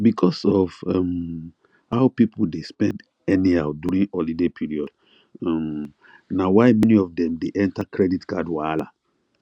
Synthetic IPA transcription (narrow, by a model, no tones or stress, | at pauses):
bikʰɔsɔvɔm | haʊpipl̩despɛ̃nd | ɛnihaʊduɹĩnɔlidepʰiɹiɔd | am | nawaɪmɛniɔvdɛ̃mdeʔɛ̃ntakʰɹɛditɡadwala